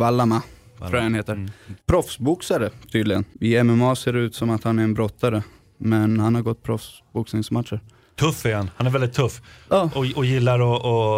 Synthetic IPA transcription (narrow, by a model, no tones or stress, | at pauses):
valːama | t̪ʰuːahanheːt̪əɾpʰɾɔfsbʊksaɾət̪ʰyːd̪lɪɡə̰nɪɛmɛmɑːseːɾɖɛʉ̟ːt̪sɔmat̪hanæɾɛnbɾɔt̪ʰːaɾə | mɛnhanhaɾɡɔt̪ːpʰɾɔfs | bʊksnɪŋsmat̪ʂəɾ | t̪ʰɵfːæɾhanhanæɾvɛld̪ɪt̪ʰːɵfːjɑːɔɔjɪlːaɾɔɔ